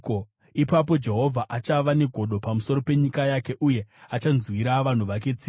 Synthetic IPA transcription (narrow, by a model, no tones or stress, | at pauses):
o | ipap̬o̞d͡ʒe̞ɦo̞vʱaʔat͡ʃaʋane̞ɡʱo̞ɗo̞pamuso̞ɾo̞pe̞ɲikajake̞ʔuje̞at͡ʃanzwiɾaʋan̤uʋak̬e̞t͡si